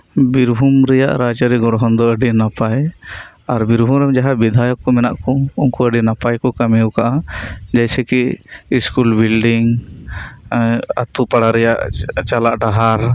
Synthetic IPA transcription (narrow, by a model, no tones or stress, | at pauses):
biɾbʱumɾɛja̰ʔɾad͡ʒaɾiɡɔɽɦɔnd̪ɔəɖinapaj | aɾbiɾbʱumɾɛmd͡ʒaɦabid̪ʱajɔkːɔmɛnaʔkɔuŋkuəɖinapajkɔkamɛwkaʔad͡ʒajsɛkiiskulbilɖiŋ | a̰t̪upaɽaɾɛjaʔt͡ʃalaʔɖaɦaɾ